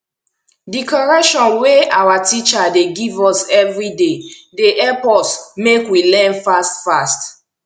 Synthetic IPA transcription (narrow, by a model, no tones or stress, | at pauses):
dikɔɹɛkʃɔ̃nweawatit͡ʃadeɡivɔsɛvɹidedeʔɛpɔsmekwilɛ̃nfastfast